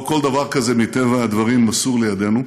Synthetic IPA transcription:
ko̞ld̪ɐavaʁkɐze̞mit̪evaːd̪vɐʁimːɐsuʁlejad̪e̞nu

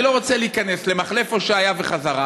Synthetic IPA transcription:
lo̞ʁot͡seliikane̞sle̞maχle̞fo̞ʃeajave̞χazaʁa

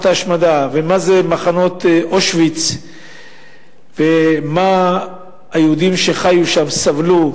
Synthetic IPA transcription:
t̪aʃmad̪avemazemaχano̞t̪oʃvit͡s | vema | ajeud̪imʃe̞χajuʃamsavlu

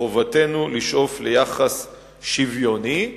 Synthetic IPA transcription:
ovate̞nuliʃʔo̞flejaχas | ʃivjo̞ni

